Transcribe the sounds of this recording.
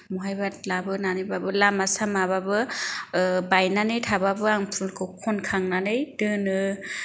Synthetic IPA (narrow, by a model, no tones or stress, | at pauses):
mɔɦajbat̚labɯnanɯjbabɯlamasamababɯ | bajnanɯjtʰababɯaŋpʰulkʰɯwkʰɔnkʰaŋnanɯjdɯnɯ